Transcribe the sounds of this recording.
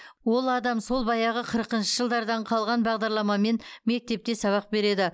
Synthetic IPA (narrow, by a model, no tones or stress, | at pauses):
wo̞lˠɑd̪ɑmso̞lˠbɑjɑʁəqʰəɾəqənʃəʒəlˠd̪ɑɾd̪ɑɴqʰɑlˠʁɑnbɑʁd̪ɑɾlˠɑmɑme̞nme̞k̚t̪e̞p̚t̪e̞sɑβɑq̚be̞ɾe̞d̪ɪ